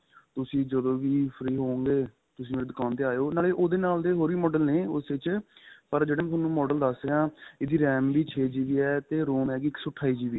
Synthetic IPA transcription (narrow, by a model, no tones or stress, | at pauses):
t̪ʊsĩːd͡ʒəd̪õːʋiːpʰɾiːɦoːõŋɡeː | t̪ʊs̬ĩːmeːɾeːd̪ʊkaːnt̪eːaːjoːnaːleːʔoːd̪eːnaːld̪eːɦoːɾiːmɔːɖəlneːʊsʋɪt͡ʃpəɾd͡ʒeːɽeːm̃t̪ʰːnũːmɔːɖəld̪əseãːɪd̪iːɾɛːmbiːt͡ʃʰeːd͡ʒiːʋiːɛːt̪eːɾoːmɛːɡiːɪksʊʈʰːaːiːd͡ʒiːʋiː